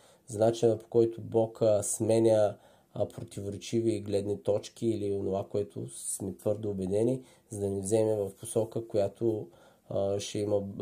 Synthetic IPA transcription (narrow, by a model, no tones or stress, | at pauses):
znat͡ʃinəpo̥kɔjt̪ʊbɔkəsmɛnʲə | pɾot̪ivoɾɛt͡ʃiviɡlɛd̪nit̪ɔt͡ʃk̟iːlionovakoɛt̪ʰʊ̰smɛt̪vɤɾd̪oːbɛd̪ɛni | zɐd̪ɐnizɛmɛvɐfposɔkəkojat̪ʰo | ʃɛimə